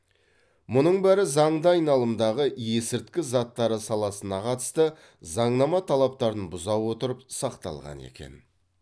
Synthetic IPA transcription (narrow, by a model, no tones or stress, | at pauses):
mʊnəɴbæɾɪzɑɴd̪əɑjnɑlˠəmd̪ɑʁəje̞sɪɾt̪kʲɪzɑt̪ːɑɾəsɑlˠɑsənɑqʰɑt̪əst̪ə | zɑɴnɑmɑt̪ʰɑlˠɑp̚t̪ɑɾənbʊzɑwwo̞t̪əɾəpsɑqt̪ɑ̰lˠʁɑ̰nḛkʲe̞̰n